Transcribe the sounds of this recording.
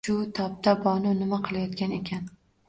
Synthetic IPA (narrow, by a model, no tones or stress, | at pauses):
ʊt̪ʰɒp̚t̪ʰabɒnʊnɪmaqʰɨlˠajɒt̪kʲane̞kʲʰan